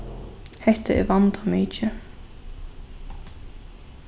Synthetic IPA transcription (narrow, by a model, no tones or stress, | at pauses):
hɛht̪aɛ̰vant̪amiːt͡ʃɪ